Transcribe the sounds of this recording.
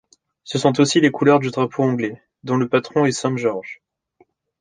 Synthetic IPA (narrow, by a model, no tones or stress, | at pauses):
səsɔ̃t̪osilekulœʁd̪yd̪ʁapʰoɑ̃ɡlɛ | d̪ɔ̃ləpat̪χɔ̃ɛsɛ̃ʒɔʁʒ